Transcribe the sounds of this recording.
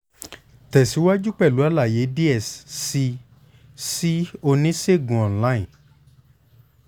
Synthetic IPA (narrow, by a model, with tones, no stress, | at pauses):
tɛ˨si˨˦wa˦d͡ʒu˦k͡pɛ˦˨lu˨˦a˦˨la˦˨je˨˦bi˦ɛ˦˨ssi˧ | si˦o˧nĩ˦se˦˨ɡũ˨ɔ̃˨n˦la˦ĩ˨